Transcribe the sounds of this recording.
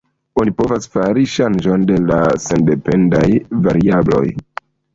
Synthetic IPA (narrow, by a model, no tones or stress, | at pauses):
onipo̞vasfaɾiʃand͡ʒo̞nde̞lase̞nde̞pe̞ndajvaɾiablo̞̰j